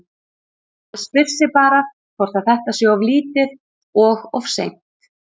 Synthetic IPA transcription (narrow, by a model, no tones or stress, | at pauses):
spɪr̥sɪpaːɾað | kʰɔwr̥t̪aθɛht̪asjɔavliːt̪ɪð | ɔɣɔvsḛjm̥t̪